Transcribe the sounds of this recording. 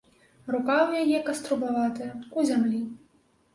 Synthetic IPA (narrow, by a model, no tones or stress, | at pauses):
rukawjajɛkɐst̪ɾubavat̪ɨjɐuzʲamlʲi